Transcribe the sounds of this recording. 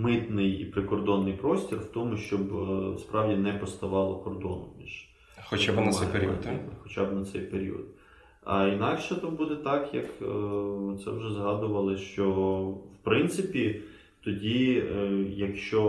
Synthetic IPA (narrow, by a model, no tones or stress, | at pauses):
mɪt̪nɪjḭpɾɪkɔrd̪ɔnːɪjpɾɔsʲtʲirwt̪ɔmʊʃt͡ʃɔbspɾʔɑwdʲinɛpɔst̪ɐʋɑlˠɔkɔrd̪ɔ̰nʊmʲḭʒ̥ | xɔt͡ʃabnɐɛjpeɾʲiḭxɔt͡ʃɑbnɐt̪sɛjpeɾʲḭɔ̰d̪̚ | ɐ̰inɑkʃɛt̪ubud̪ɛt̪ɑkjɐk | t̪sɛ̰wʒɛzɦɑd̪ʊʋɐlˠɪʃt͡ʃɔwpɾɪnt̪sɪpʲi | t̪ɔdʲi | jɐkʃt͡ʃɔ